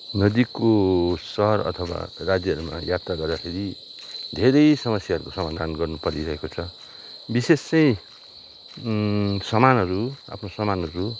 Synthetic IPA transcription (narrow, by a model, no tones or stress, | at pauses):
nʌd̪ikosʌɦʌɾʌ̰t̪ʰʌwa̰rad͡zjʌʌɾuma̰jat̪raɡʌrd̪akʰeɾid̪ʱeɾʌjsʌmʌsjaʌɾukosʌmad̪ʱanɡʌrnupʌɾiɾʌɦekot͡sʰʌ | bisest͡sʌj̃ | sʌmanɦʌɾua̰pʰnosʌmanʌɾu